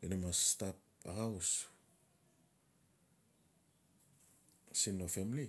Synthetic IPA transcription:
inamastap̚ | a̰ɡaws | sinofemli

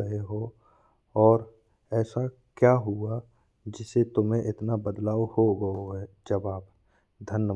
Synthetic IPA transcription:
əɦeɦo | ɔːɾ | ɛːsa | kjaːɦʊa | d͡ʒɪset̪ʊmɦẽʔɪt̪nabəd̪laːwhoɡɐoɦɛː | d͡ʒəbaːp | d̪ʱənːə

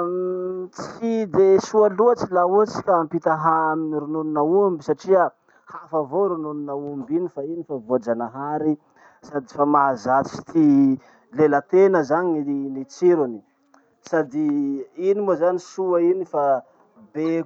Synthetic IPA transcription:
t͡sid̪esualuat͡silaot͡si̥kʲampit̪aɦaaminiɾununinaumbisaʈ͡ʂiə | hafavoɾununinaumbinifainifavod͡ʒanaɦaɾi | sad̪ifamazai̥t̪ʰi | lelət̪enəzaɲinit͡siɾuni̥ | sad̪iinimozanisuainifa | be

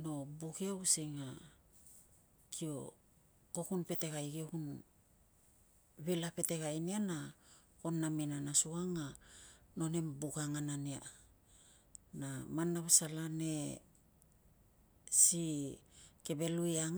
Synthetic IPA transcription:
no̞buɡiausiŋa | kʰio̞̰ | kokunpe̞te̞ɡajɡiokun | βilape̞te̞ɡajniana | ko̞nːaminanasuaŋano̞ne̞mbuɡaŋanania̰ | namanːaβsalane̞ | si | ke̞be̞lujaŋ

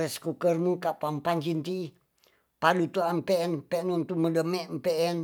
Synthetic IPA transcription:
ɛskukərmukaʔpampant͡ʃint̪i | palut̪uampeɛnpɛnunt̪umədəmɛʔmpɛʔɛn

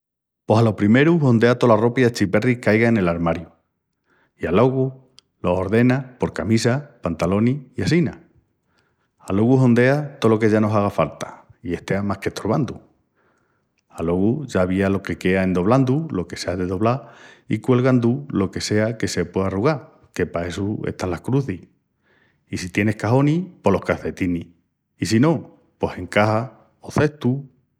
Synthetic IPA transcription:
po̞salo̞pɾime̞ɾuɦo̞nd̪e̞at̪o̞laro̞pjiat͡ʃipe̞rikajɣaene̞laɾmaɾju | ialo̞ɣu | lo̞oɾðe̞napo̞ɾkamisapant̪alo̞niiasina | alo̞ɣuɦo̞nd̪e̞at̪o̞lo̞ke̞ʝano̞saɣ̞afalt̪ḁie̞ht̪e̞amahke̞ht̪ʰoɾβand̪u | alo̞ɣuʝaβialo̞ke̞ke̞ae̞nd̪o̞β̞land̪ulo̞ke̞seaðe̞ðo̞βlaikwe̞lɣand̪ulo̞ke̞se̞ake̞se̞pwe̞aruɣ̞a | ke̞pae̞suḛht̪anlahkɾuθih | isit̪je̞ne̞hkaɦo̞nipo̞lo̞hkaθe̞t̪iniː | sino̞ | po̞se̞ŋkaha | oθe̞ht̪u

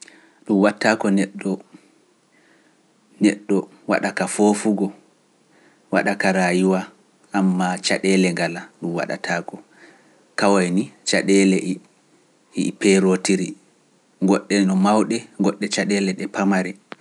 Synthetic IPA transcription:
ɗumwatːakɔnɛɗːɔ | nɛɗːɔ | wa̰ɗakafoːfuɡɔ | waɗakaɾajiwa | ʔamːat͡ʃaɗɛlɛŋɡalaɗumwa̰ɗa̰tʰaːkɔ | kawajnit͡ʃaɗɛlɛ | pɛɾotiɾi | ŋɡɔɗːɛnɔmawɗɛŋɡɔɗːɛt͡ʃaɗɛlɛɗɛpamaɾɛ

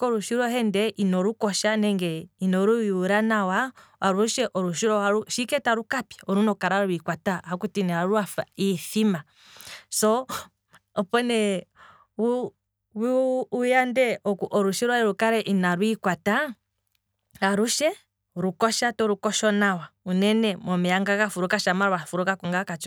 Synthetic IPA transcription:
kɔɾuʃiɾɔhɛndɛʔinɔɾukɔʃanɛŋɡɛinɔɾuwiuɾanawa | aɾuʃɛʔɔɾuʃiɾɔaɾuʃikɛtaɾukapjaɔɾunɔkaɾaɾwikwatahakutiniaɾuafaiθima | sɔ | ɔpɔnɛ | wu | wuujandɛɔkuʔɔɾuʃiɾɔɛɾukaɾɛʔinaɾwikwata | aɾuʃɛ | ɾukɔʃatɔɾukɔʃɔnawaunɛnɛmɔmijaŋɡakafuɾukaʃamaɾwafuɾukakuŋɡakat͡ʃɔ

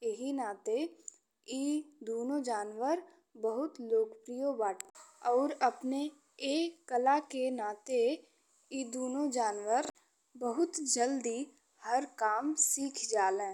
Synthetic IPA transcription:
jeɦinaːt̪e | iːd̪oːnod͡ʒaːnwəɾ | bəɦʊt̪loːkpɾijobaːʈɔːɾɐpne | eːkəlakenaːt̪e | iːd̪oːnod͡ʒaːnʋəɾ | bəɦʊt̪d͡ʒəld̪i | həɾkaːmsiːkʰd͡ʒaːlẽː

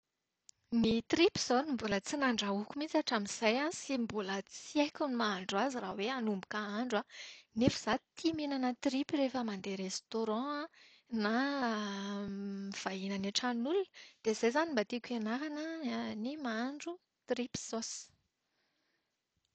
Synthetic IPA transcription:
nit̪ripz̥onimbulət͡sinaɳɖ͡ʐaukʲumit͡saʈ͡ʂamiz̥ajansimbulət͡siekʲunimaaɳɖ͡ʐwaziraweanumbu̥kaaɳɖ͡ʐanefiz̥at̪ʰiminanət̪ripirefəmand̪eɾest̪oɾɑ̃a | na | miv̥aɦinanaʈ͡ʂanulunəd̪̥ezajzanimbat̪ikʲenaɾanənimaɳɖ͡ʐu | t̪ripsos

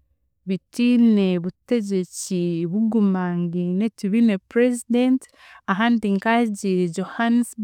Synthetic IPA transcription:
βitine̞βute̞ɟe̞ciβuɡumaŋɡinetuβinepɾezident | aɦaːndiŋkaɟiɾɟohanisb

